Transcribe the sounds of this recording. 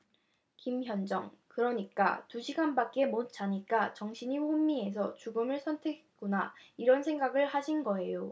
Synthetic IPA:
kimçjʌnd͡ʑʌŋkɯɾʌɲik͈a̰tuɕʰiɡanbak̚k͈e̞mot̚t͡ɕ͈aɲik͈at͡ɕʌŋɕʰiɲiɸomːie̞s̬ʰʌt͡ɕuɡɯmɯɭsʰʌntʰe̞kʰe̥t̚k͈unaiɾʌnsʰe̞ŋɡaɡɯɭhaɕʰinɡʌe̞jo

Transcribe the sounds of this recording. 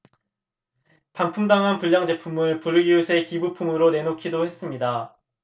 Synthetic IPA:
paŋpʰumdaŋɦanpuʎːaŋd͡ʑe̞pʰumɯɭpuɾɯɡiusʰe̞kibupʰumɯɾone̞nokʰidohe̞s͈ɯmɲida

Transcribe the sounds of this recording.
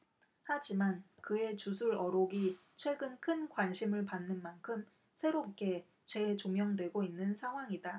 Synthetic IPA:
had͡ʑimankɯe̞t͡ɕusʰuɾʌɾoɡi | t͡ɕʰwe̞ɡɯnkʰɯnkwanɕʰimɯɭpanːɯnmankʰɯm | sʰe̞ɾop̚k͈e̞ | t͡ɕe̞t͡ɕomjʌŋdwe̞ɡoinːɯnsʰaŋɦwaŋida

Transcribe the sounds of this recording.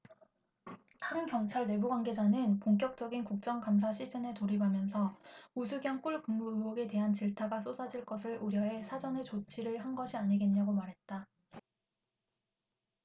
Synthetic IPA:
taɾɯnkjʌŋt͡ɕʰaɭne̞buɡwaŋɡe̞d͡ʑanɯnpoŋk̬͈jʌk̚t͡ɕ͈ʌɡinkuk̚t͡ɕ͈ʌŋkamsʰaɕʰid͡ʑ͈enetoɾibʱamjʌnsʰʌusʰuɡjʌŋk͈uɭkɯŋmuɯwʌɡe̞te̞ɦant͡ɕiɭtʰaɡas͈osʰad͡ʑiɭk͈ʌsʰɯɭʔuɾjʌɦe̞sʰad͡ʑʌne̞t͡ɕot͡ɕʰiɾɯɭhanɡʌɕʰiaɲiɡe̞nɲaɡomaɾɦe̞t̚t͈a

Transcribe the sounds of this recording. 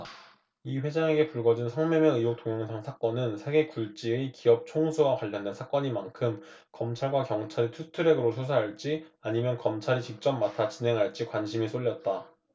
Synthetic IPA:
iɸwe̞d͡ʑaŋe̞ɡe̞puɭɡʌd͡ʑinsʰʌŋmemjeɯjok̚t͈oŋjʌŋsʰaŋsʰak͈ʌnɯnsʰe̞ɡe̞kuɭt͡ɕ͈iikiʌp̚t͡ɕʰoŋsʰuɡakwaʎːʌndensʰak͈ʌɲimankʰɯm | kʌmt͡ɕʰaɭɡwakjʌŋt͡ɕʰaɾitʰutʰɯɾe̞ɡɯɾosʰusʰaɦaɭt͡ɕ͈iaɲimjʌnkʌmt͡ɕʰaɾit͡ɕik̚t͡ɕ͈ʌmːatʰat͡ɕinɦe̞ŋɦaɭt͡ɕ͈ikwanɕʰimis͈oʎːʌt̚t͈a

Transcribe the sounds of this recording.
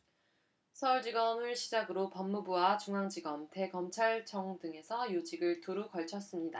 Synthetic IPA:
sʰʌuɭd͡ʑiɡʌmɯɭɕʰid͡ʑaɡɯɾopʌmːubuwat͡ɕuŋaŋd͡ʑiɡʌmte̞ɡʌmt͡ɕʰaɭt͡ɕʰʌŋdɯŋe̞sʰʌjod͡ʑiɡɯɭtuɾukʌɭt͡ɕʰʌs͈ɯmɲida

